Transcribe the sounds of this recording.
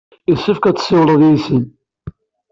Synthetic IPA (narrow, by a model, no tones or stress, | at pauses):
isəfkæt͡sːə̥sːɪwɾˤəðjisən